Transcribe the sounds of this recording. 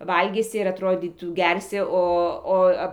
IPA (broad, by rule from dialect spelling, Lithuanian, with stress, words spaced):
ˈʋɐlʲɡʲiːsʲɪ ɪr ɐtˈroːdʲiːtuː ˈɡʲɛrʲsʲɪ ˈoː